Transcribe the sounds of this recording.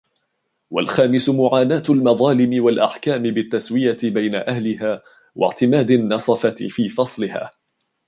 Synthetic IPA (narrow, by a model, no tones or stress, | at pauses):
wa̰lxaːmɪsʊmʊʕaːnaːt̪lmɑðˤɑːlɪmɪwalʔaħkaːmɪbɪt̪ːaswɪjabajnaʔahlɪɦaː | wa̰ʕt̪ɪmaːd̪anːɑsˤɑfɑfiːfɑsˤlɪha̰ː